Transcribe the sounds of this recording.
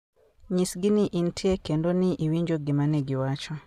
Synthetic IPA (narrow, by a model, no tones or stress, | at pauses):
ɲisɡiniʔintʰiekendoniʔiwiːɲd͡ʒoɡimaneɡiwaːt͡ʃo